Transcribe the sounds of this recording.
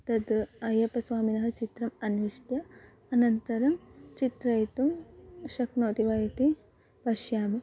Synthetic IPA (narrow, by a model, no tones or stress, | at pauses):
t̪ɐd̪ɐjɐpɐsʋaːminɐɦɐt͡ʃit̪ɾɐmɐniʂʈjɐ | ɐnɐnt̪ɐɾɐmt͡ʃit̪ɾɐjt̪umʃɐknoːt̪iʋaːjɐt̪i | pɐʃjaːmɐ